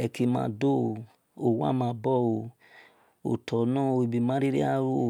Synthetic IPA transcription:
ɛ˧ki˧mã̰ː˧˦do˦˨ | o˨wa̰˦mã˧˦˧bɔ˦˨o˧˨ | o̰˨tʰɔ˨nã˦o˧i˨bi˨mã˨˦ɾe˦ɾḛ˦a˦ɾo˦˨

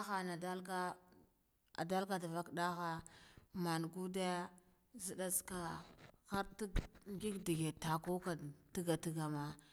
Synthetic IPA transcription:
a˦xa˨na˨da˦lka˦ | a̰˨da˦lka˨da˨va˦kda˦xa˦ma˨nɡu˦da˦ | zi˨ɗa˦ska˨xa˦ɾtŋɡi˦kdi˨ɡe˨ta˨ko˦ka˨ti˦ɡa˨ti˦ɡa˨ma˦

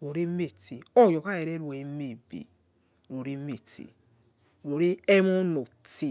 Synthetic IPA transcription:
ɾo˨ɾe˦me˦˨ti˨ɔ˦˨jɔ˨ka˦ɛ˨˧ɾɛ˦lu˦e˧˦me˦˨bḛ˨ | ɾo˨ɾe˦me˦˨tḭ˨ | ɾo˨ɾe˦ɛ˦mɔ̃˦no˨ti˧

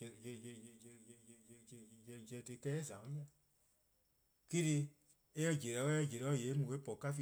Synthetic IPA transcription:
ɛ˧˨d͡ʒɛ˧˦tɨ˧˦kɛ˦ɛ˦˨zã˨õ˦i˦a˨ | ki˦ti˧ | e˦ɛ̃˧˨d͡ʒe˨ɾɛ˨˦wɛ˦ɛ˦˨d͡ʒe˨ɾɔ˨˦˨jeː˨˦mũ˨ke˦pɔ˨ka˦fi˧

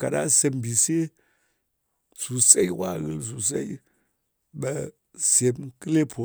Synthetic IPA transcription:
ka˨ɗa˦se˧m˨bi˨se˦ | su˨se˦i˦wa˦˨ɣɨ˦ls̬u˨s̬ḛ˦i˦ | ɓɐ˧ | se˧mkɨ˦le˦pʰo˨

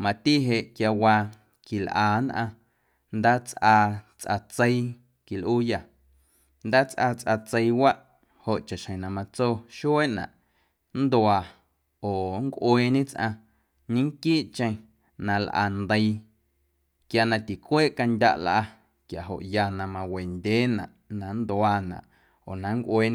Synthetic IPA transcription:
mã˨t̪i˦ɦe˧ʔkja˧waː˧ | ki˨lʔaː˨nʔã˧ | nd̪aː˦t͡sʔaː˧t͡sʔa̰˧t͡sə˧i˦˧ | ki˨lʔuː˦ja˨ | nd̪aː˦t͡sʔaː˧t͡sʔa˧t͡se˧i˧wa˦ʔ | ho˨ʔt͡ʃa˨ʃhə̃˨nã˧mã˧t͡soː˦ʃu˦e˦ʔnã̰˨ʔ | nd̪waː˨ | oː˨ŋkʷʔeː˧ɲẽ˦t͡sʔã̰˧ | ɲĩ˦ŋkiː˦ʔt͡ʃə̃˧j̃ | nã˧lʔa̰˧nd̪ə˧i˧ | kja˧˨nã˧t̪i˨kʷeː˦ʔka˧ndʲa̰˧ʔlʔa˧ | kja˨ɦo̰˨ʔja˧nã˧mã˧we˨ndʲeː˦nã̰˨ʔnã˧nd̪waː˧nã̰˨ʔ | oː˨nã˨ŋkʷʔweː˧

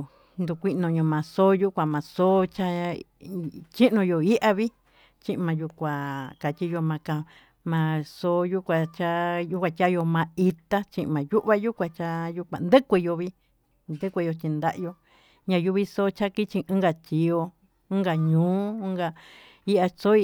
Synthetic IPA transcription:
nd̪u˧˨kʷi˧ʔnõ˧˨ɲõ˧˨mã˨˧so˦ju˦kʷã˧mã˨˧so˦t͡ʃa˦ | t͡ʃi˦ʔnõ˧jo˧˨i˦ʔa˧βi˦ | t͡ʃĩ˦ʔmã˧ju˧kʷa˨ka˨tʲi˦jo˧mã˧ka˧ | mã˧so˧˦ju˦kʷa˧t͡ʃa˦ju˦kʷa˧tʲa˦jo˧mã˧i˧t̪a˦t͡ʃĩ˦ʔmã˨ju˦ʔβa˦ju˦kʷã˧t͡ʃa˧ju˧kʷa̰˨nd̪ɨ˦kʷe˧jo˧βi˦ | nd̪ɨ˦kʷe˧jo˧t͡ʃi˧nd̪a˦ʔjo˧ | ɲã˧ju˦βi˧so˦t͡ʃa˦ki˦t͡ʃĩ˧ɨ̃˦ɡa˧tʲi˨o˧ | ɨ̃˦ŋɡa˧ɲũː˦ɡa˧ | i˦ʔa˧so˦˧

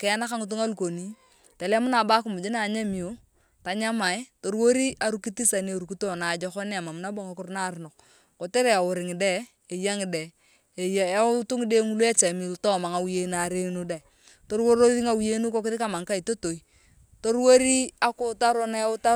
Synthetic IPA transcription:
kɛ˨a˦na˦ka˦ŋu˨t̬u˦ŋa˦lu˨ko˨ni˦ | te˨le˦mʊ˦na˨ba˦ku˨mʊ˨d͡ʒi˦na˨ɲa˦mi˨jo˨˦ | ta˨ɲa˦ma˨jto˨ɾwo˦ɾi˦ʔa˨ɾu˦ki˦ti˦sa˨ni˦e˨ɾu˨ki˦to˦na˨d͡ʒɔ˦kɔ˦ni˦a˨ma˨mʊ˦na˦bo˦ŋa˨kʊ˦ɾna˦˨ɾɪ˨no˨k̚ | ko˨te˦ɾe˨a˨wʊ˨ɾɪ˨ŋɪ˨de˦ | e˨ja˦ŋɪ˨de˨ | jtu˦ŋɪ˦de˦ŋu˦lu˦e˦t͡ʃe˨mi˨ltɔ˦˨ma˨ŋa˨wi˦je˦na˨ɾe˦nu˦da˨ | to˦ɾwo˦ɾo˦ɾi˦ŋa˨wi˦je˦nu˦ko˦k̬ɪ˦ɾɪ˦ka˦˨ma˨ŋka˦i˨to˦to˨i˦ | to˦ɾwo˦ɾi˦a˦kʊ˦ta˦ɾo˦na˦ʊ˦ta˦

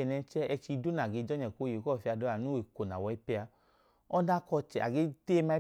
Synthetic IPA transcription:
ɛ˨nɛ˧t͡ʃɛ˦ɛ˧t͡ʃi˧du˦na˨ɡe˧d͡ʒɔ˦ɲɛ˨ko˧˦je˨kɔ˦˨fi˧a˧dɔ˦a˨nu˦e˨ko˨na̰˨wɔ˧i˦pɛ˧a˧ | ɔ˦da˦kɔ˧t͡ʃɛ˨ʔa̰˨ɡe˦te˦ma˧i˦

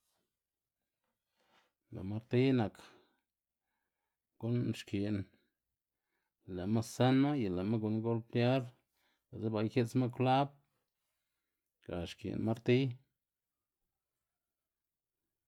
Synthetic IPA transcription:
la̰˨ma˦ɾt̪i˦na˨k | ɡ̥u˦nʃki˨n˨ | le˨ma˦ssa˦nma˦ja˨la˨ma˦ɡu˧nɡo˦lt̪ja˦ɾ | la˨ze˦ba˨jxe˦t͡sma˦kʷla˦b̚ | ka˨ʃkḭ˨nma˦ɾt̪i˦

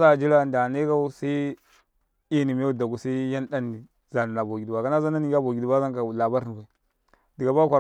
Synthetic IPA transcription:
sa˦˨d͡ʒi˦la˦˨nda˨ne˦ka˦u˦sa˦i˦ | i˦ni˨m˦a˦u˦˨da˨ɡu˨sa˦ja˦nda˦ni˨ | za˨ni˨na˨bo˨ɡi˨dba˨ka˦na˦za˦n˦a˦ni˦ɡa˦bo˨ɡi˨di˨ba˦za˦ŋka˨la˨ba˦ɾbʷa˨i˨ | di˨ɡa˨ba˦kʷa˨

